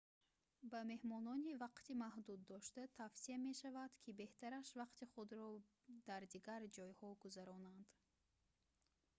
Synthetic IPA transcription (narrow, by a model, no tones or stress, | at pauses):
bame̞hmɔnɔnivaqt̪imahd̪ud̪ːɔʃt̪at̪ʰafsiame̞ʃavad̪̥kʰibe̞ht̪ʰaɾaʃvaqt̪iχud̪ɾɔ | d̪aɾd̪iɡaɾd͡ʒɔjhɔɡuzaɾɔnand̪̥